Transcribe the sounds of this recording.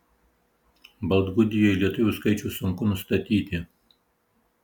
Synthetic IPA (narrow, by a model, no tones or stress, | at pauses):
bɐlˠd̪ɡʊd̪ʲɪjoɪlʲiɛt̪ʊʋʲʊˑskɐɪt͡ʃʲʊːsʊŋkʊnʊst̪ɐt̪ʲiːt̪ʲɪ